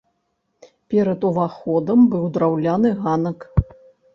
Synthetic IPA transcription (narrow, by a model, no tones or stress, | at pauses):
pʲɛɾɐt̪uvaxɔd̪ɐmbɨwd̪ɾawlʲanɨɣanɐk